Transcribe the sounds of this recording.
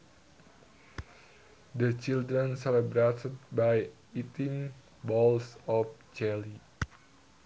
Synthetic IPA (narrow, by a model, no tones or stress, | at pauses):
dət͡ʃildɾənsɛlɛbɾet̪ʰət̪̚baj | it̪iŋ | bɔlsɔft͡ʃɛli